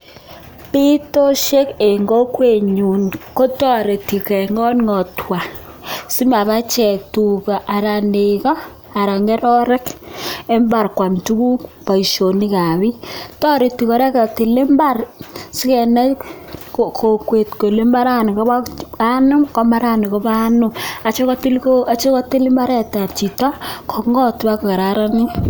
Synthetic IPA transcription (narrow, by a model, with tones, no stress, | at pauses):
pi˦to˦ʃe˦ke˨ŋɡo˦kwe˨ɲu˨nko˦tɔ˦ɾe˨ti˨kɛ˨ŋɔ˦nŋɔ˨tʰwa˨ | si˦ma˨ba˦t͡ʃɛ˨tu˨ka˨ʔa˨ɾa˨ne˨kɔ˦ | a˨ɾa˨ŋɡɛ˦ɾɔ˦ɾɛ˦ke˦mba˨rkwa˨ntu˦ku˦kpa˨i˨ʃo˨ni˦ka˨βi˦tɔ˦ɾe˨ti˨kɔ˨ɾɛ˦ka˨te˨le˦mba˦rsi˦kɛ˨nɛ˦ | kokʰo˨kwe˨tko˨le˦ma˦ɾa˦n˨kɔ˦ba˦a˦nʊ˦mkɔ˦ma˦ɾa˦ni˨kɔ˦ba˦nʊ˨a˨t͡ʃe˦kɔ˦ti˦lkoa˦t͡ʃe˦kɔ˦te˦li˦ma˦ɾɛ˦ta˨p̚t͡ʃi˨tɔ˦kʰɔ˨ŋɡɔ˦tba˦ko˨ka˨ɾaɾa˦ni˦